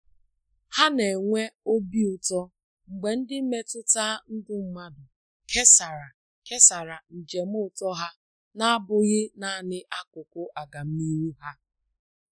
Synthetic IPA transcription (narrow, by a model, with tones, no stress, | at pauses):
ha˦ne˨ŋʷe˦o˦bi˦ʊ˨tɔ˦ | ŋ͡m̩˨ɡ͡be˨n̩˦dɪ˦m̩˦me˦tʊ˦taː˦n̩˦dʊ˦m̩˦ma˦dʊ˨ | kʰe˦sa˨ɾa˨ | ke˦sa˨ɾa˨n̩˨d͡ʒe˨m̩˦ʊ˦˨tɔ˦ɦa˦ | na˦a˦bʊ˦ɣɪ˦na˦˨nɪ˦ʔa˦kʊ˨kʊ˦ʔa˨ɡa˨m̩˦ni˦ɾu˦ɦa˦